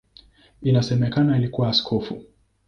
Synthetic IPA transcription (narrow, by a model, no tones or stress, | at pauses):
inasɛmɛkanailikuwaːskʰɔfṵ